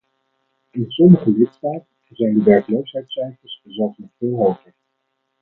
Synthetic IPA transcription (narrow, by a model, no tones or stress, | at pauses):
ɪnsɔməχəlɪtstaːtənzɛjndəʋɛɹkəlowsɦɛjtsɛjfəɹszɛlˠfsnɔχfɪːlˠɦowχəɹ